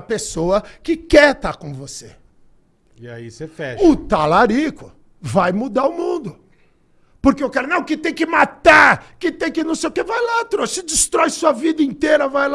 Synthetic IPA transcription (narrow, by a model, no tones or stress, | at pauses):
pesoɐkɪkɛt̪akõvose | ia̰isefɛʊt̪alaɾikʊ | vajmud̪aʊmũnd̪ʊ | poɾkeewkɛɾʊnɐ̃w̃kɪt̪ẽj̃kɪmat̪aɾkɪt̪ẽj̃kɪnɐ̃w̃sejʊkevajlat̪ɾosɪd͡ʒɪst̪ɾɔjsuɐvid̪ɐĩnt̪eɾɐvajla